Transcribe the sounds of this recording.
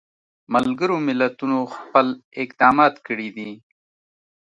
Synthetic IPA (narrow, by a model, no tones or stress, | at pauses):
mallɡəɾomɪlat̪unoxpəlɪkd̪ɑːmɑt̪kəɽid̪i